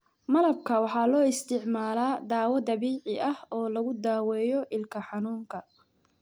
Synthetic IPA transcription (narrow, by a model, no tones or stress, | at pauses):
mɐlɐb̚kʰɐwɑħɑːlɔːɪst̪ʰɪʕmaːlaːd̪aːwɐd̪ɐβiːʕɪʔɐhɔːlɐɣʊd̪aːwɛːjɔʔɪlkʰɐħɑnuːŋkʰɐ